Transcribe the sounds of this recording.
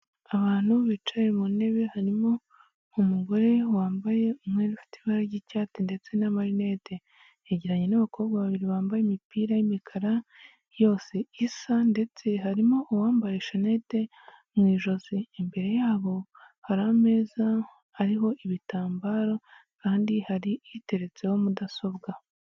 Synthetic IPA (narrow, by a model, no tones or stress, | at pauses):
aβaːn̥huβit͡ʃaɾimune̞βe̞haɾimo̞ | umuɡo̞ɾe̞waːmbaje̞umŋeɾifi̥tiβaɾaɾɟicaːtinde̞t͡se̞namaɾine̞te̞ | eɟiɾaɲe̞naβakʰo̞ːβɡaβaβiɾiβaːmbajemipiːɾajimikʰaɾa | jo̞ːseisande̞t͡se̞ɦaɾimo̞ʔːwaːmbaɾeʃanete̞ | mŋiːʒo̞ziːmbe̞ɾe̞jaːβo̞ | haɾame̞ːzaː | ɾiɦo̞ʔiβitaːmbaːɾo̞kaːndihaɾiite̞ɾe̞t͡se̞ho̞mudaso̞βɡa